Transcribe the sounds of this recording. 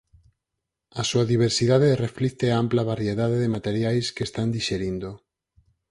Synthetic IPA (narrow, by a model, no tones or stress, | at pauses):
asuaðiβ̞eɾsiðaðereflit̪eamplaβaɾjeðaðeðemat̪eɾjajskest̪and̪iʃeɾind̪o